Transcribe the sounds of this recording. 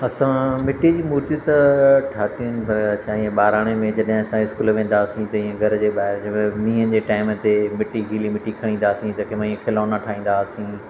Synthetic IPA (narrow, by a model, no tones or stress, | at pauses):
ɐsãmɪʈid͡ʑiːmuːɾt̪it̪ɐʈʰaːt̪iənɪ̆pɐɾɐt͡ɕʰaːĩːẽɓaːɾaːɽ̃emẽd͡ʑɐɗɦɪ̃ɐsãɪskuːlʋẽːnd̪aːsĩt̪ɐĩẽɡʱɐɾd͡ʑeːɓaːɦɪɾd͡ʑɐmẽmĩːɦənd͡ʑeːʈaːɪmt̪emɪʈiɦiːlimɪʈikʰɐɽ̃ĩːnd̪aːsĩt̪ɐkɪmãĩẽkʰɪlaːnaʈʰaːɦĩːn̆d̪aːsĩː